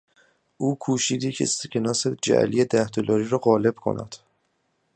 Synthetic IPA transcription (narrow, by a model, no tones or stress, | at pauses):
ʔuːkʰuːʃiːd̪iːcʰesecʰenɒːsed͡ʒæ̰ʔlijed̪æhd̪olɒːɾiːɾɒːɣɒːle̞b̥kʰo̞̰næ̰d̪̥